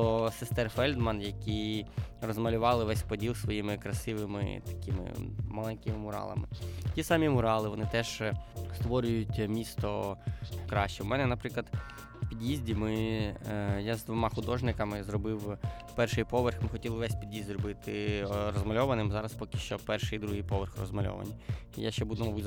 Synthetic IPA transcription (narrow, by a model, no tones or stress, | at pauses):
t̪ɔsest̪ɛrfɛlʲd̪mɐnjɐkʲirɔzmɐlʲʊʋɑlˠɪʋɛsʲpɔdʲilˠsʋɔjimɪkɾɐsɪʋɪmɪ̰t̪ɐ̥kʲɪmɪ̰mɐlˠɛnʲkɪmɪmʊɾɑ̰lˠɐ̰mɪ̰tʲisɑmʲimʊɾɑlˠɪʋɔnɪt̪ɛʒ̥st̪ʋɔɾʲʊjʊtʲmʲist̪ɔ | kɾɑʃt͡ʃːɛwmɛnɛnɐpɾɪklˠɐd̪ | pʲid̪ʲjizʲdʲimɪ | jazd̪ʋɔmɑxʊd̪ɔʒnɪkɐmɪzɾɔbɪw | pɛrʃɪjpɔʋerxmɪxɔtʲilˠɪʋɛsʲpʲid̪ʲjizʲd̪ʲrɔbɪt̪ɪɾɔzmɐlʲɔʋɐnɪmzɑɾɐspɔkɪʃt͡ʃɔpɛrʃɪid̪ɾuɦijpɔʋerxrɔ̰zmɐlʲɔ̰ʋɐ̰nʲḭja̰ʃt͡ʃɛbud̪ɛmɐbu